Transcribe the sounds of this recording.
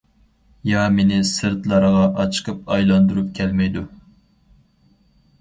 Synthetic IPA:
jɑmenɪsɨɾt̪lˠɑɾəʁɑʔɑt͡ʃʰɨ̥qʰəp̚ɑjlˠɑnd̪uɾup̚kʲʰɛlmɛjd̪u

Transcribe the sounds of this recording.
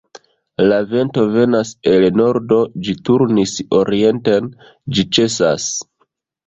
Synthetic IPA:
lave̞nto̞ve̞nase̞lno̞ɾdo̞d͡ʒituɾniso̞ɾie̞nte̞n | d͡ʒit͡ʃe̞sa̰s

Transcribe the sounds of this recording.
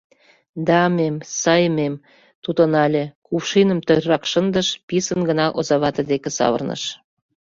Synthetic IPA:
d̪ɑmemsɑjəmem | t̪ud̪ə̆nɑlʲĕkufʃinə̆mt̪ørʲːɑkʃənd̪əʃpisənɡə̆nɑʔozɑβɑt̪ɤ̆d̪ekĕsɑ̰βə̰rnə̰ʃ

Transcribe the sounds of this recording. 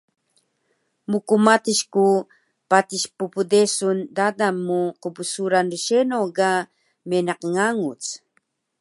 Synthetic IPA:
mukumatiʃku | pat̪iʃpupudesundadamːuqəbusuɾanrəʃenoɡa | menaqŋaŋut͡s

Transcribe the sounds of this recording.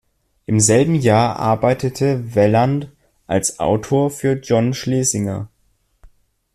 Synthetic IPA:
ʔɪmzɛlbm̩jaːɐʔa̰ɐbaɪtʰətʰəvɛlant | ʔa̰lsʔa̰ʊtʰoːɐfyːɐd͡ʒɔnʃleːzɪŋɐ̰

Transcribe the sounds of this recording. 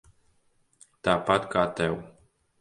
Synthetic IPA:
t̪apat̪kat̪ɛw

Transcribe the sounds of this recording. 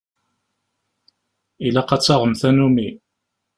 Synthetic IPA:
ilæqɑt͡sːɑʁəmθænumi

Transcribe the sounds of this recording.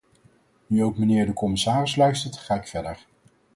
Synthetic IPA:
nyowkmənɪːɹdəkɔmɪsaːrɪslœɥstəɹtχaːɪkfɛɹdəɹ

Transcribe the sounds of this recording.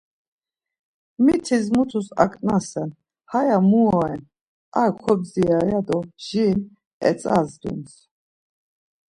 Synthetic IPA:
mit̪ʰizmut̪ʰusa̰kʼnasɛn | hajamuɔɛn | aɾkʰɔbziajad̪ɔʒ̥iːn | ɛ̰t͡sʼazd̪ṵns

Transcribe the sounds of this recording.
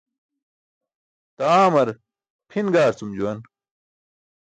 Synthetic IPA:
t̪aːmɐɾ | pʰinɡaːɾt͡sumd͡ʑuwɐn

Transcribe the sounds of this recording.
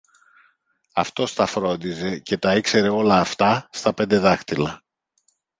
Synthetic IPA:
ɐft̪o̞st̪ɐfɾo̞nd̪ize̞ce̞t̪ɐikse̞ɾe̞o̞lɐːft̪ɐst̪ɐpe̞nd̪e̞ðɐxt̪ilɐ

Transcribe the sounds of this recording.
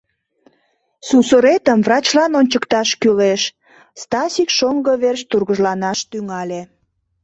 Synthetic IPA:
susəɾet̪əmvrɑt͡ɕlɑnonʲt͡ɕəkt̪ɑʃkyleʃ | st̪ɑsʲikʃoŋɡəβerʃt̪urɣəʒlɑnɑʃt̪yŋɑlʲe

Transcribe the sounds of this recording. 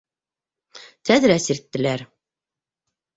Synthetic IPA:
t̪æðɘɾæsiɾt̪ːɘ̆læɾ

